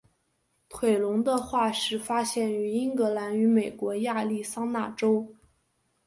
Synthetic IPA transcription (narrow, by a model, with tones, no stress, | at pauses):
t̪ʰwe˨˩ɪlʊ˧˥ŋd̪ə˧xwa˥˧ʂɻ̩˥˩fa˥ɕjɛ˥˩ny˧˥i˥ŋkɤ˧˥la˧˥ny˧˥me˨˩ɪkwɔ˧˥ja˥˧li˥˩sɑ˥ŋna˥˩ʈ͡ʂo˥ʊ